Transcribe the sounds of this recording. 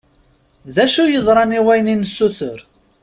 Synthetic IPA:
ðæʃujəðˤɾˤɑniwæjninsːuθəɾ

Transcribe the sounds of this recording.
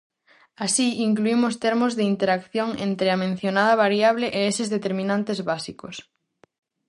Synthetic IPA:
asiiŋkluimʊst̪eɾmʊzðeint̪eɾakθjoŋent̪ɾeamẽn̟θjonaðɐβaɾjaβ̞leʔeesɪzðet̪eɾmĩnãnt̪ezβasiko̰s

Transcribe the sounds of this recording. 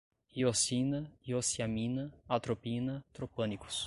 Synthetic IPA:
hiosinɐiosiamĩnɐat̪ɾopinɐt̪ɾopɐ̃niku̥s

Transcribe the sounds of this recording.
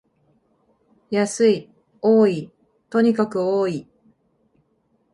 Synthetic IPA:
jasɨi | oːi | t̪o̞ɲ̟ikakɯ̟oːi

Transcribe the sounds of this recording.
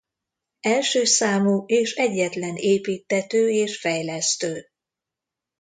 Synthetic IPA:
ɛlʃøːsaːmueːʃɛɟːɛt̪lɛneːpiːt̪ːɛt̪øːeːʃfɛjlɛst̪øː

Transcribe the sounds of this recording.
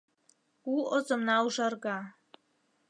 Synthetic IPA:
uozəmnawʐarɡa

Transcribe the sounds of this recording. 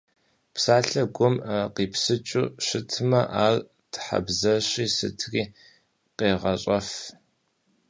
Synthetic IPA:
psaːɬɐɡʷʊmqiːpsɨt͡ʃʼṵːɕɪtʰɨmɐʔaːr | tʰħa̰bzɐɕiːsɨ̰tʰriː | qeːʁɐɕʼɐf

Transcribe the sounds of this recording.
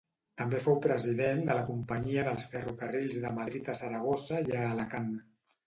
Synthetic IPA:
t̪əmbefowpɾəziðend̪ələkumpəɲiəðəlˠsfərukəriʎzðəməðɾit̪əsəɾəɣ̞osəjaːləkan

